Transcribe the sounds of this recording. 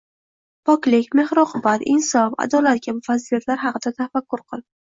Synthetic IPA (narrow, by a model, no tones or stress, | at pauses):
pʰɒkʲlɪkʲme̞hɾɒqʰʊbat̪ɪnsɒfa̰d̪ɒlat̪̚kʲabʊfazilijat̪laɾɦɑqɨd̪at̪ʰafakːʊɾqʰɨlˠ